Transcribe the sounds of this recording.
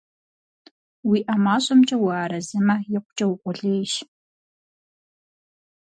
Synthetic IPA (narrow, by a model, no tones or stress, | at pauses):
wiːʔamaːɕʼɐmt͡ʃʼɐwɐaːɾɐzɨmɐjɪqʷʊt͡ʃʼɐwʊkʷʼʊɮejʃ